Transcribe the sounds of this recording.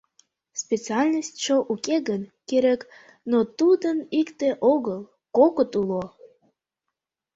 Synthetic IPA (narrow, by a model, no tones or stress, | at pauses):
spʲet͡siɑlʲnəsʲtʲt͡ɕoʔukeɡənkeɾek | not̪ud̪ənikt̪eʔoɣəlˠ | kokət̪ulo